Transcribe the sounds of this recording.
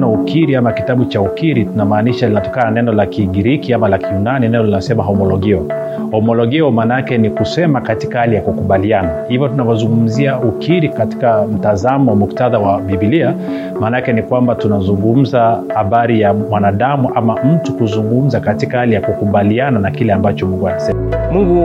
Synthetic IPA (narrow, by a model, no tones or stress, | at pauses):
naukiɾiamakitaɓut͡ʃaukiɾitunamaːniʃalinatɔkanananɛnɔlakiɡiɾikiamalakiunaninɛnɔlinasɛmaɦɔmɔlɔɡiɔ | hɔmɔlɔɡiɔmaːnaakɛnikusɛmakati̥kahalijakukuɓalianahivɔtunawazuŋɡum̩ziaukiɾikati̥kam̩tazamɔwamuktaðawaɓibilia | maːnaakɛnikwambatunazuŋɡum̩zahaɓaɾijamwanaɗamuʔamam̩tukuzuŋɡum̩zakatikahalijakukuɓaliananakilɛambat͡ʃɔmuŋɡuanasɛmamuŋɡu